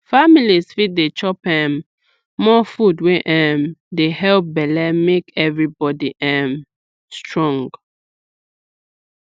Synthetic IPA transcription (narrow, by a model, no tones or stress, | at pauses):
familizfit̚det͡ʃɔpɛ̃mː | ɔfudwẽʔɛ̃mdehɛlp̚bɛlɛmekɛvɹibɔdiʔɛm | stɹɔ̃ŋɡ